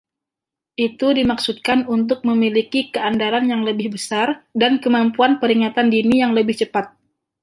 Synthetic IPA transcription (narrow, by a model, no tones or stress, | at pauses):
ʔit̪udimaksut̪̚kanunt̪̬ʊk̚məmilikikəandaɾanjaŋləbɪhbəsardankəmampuanpəɾiŋat̪andinijaŋləbɪht͡ʃəpat̪̚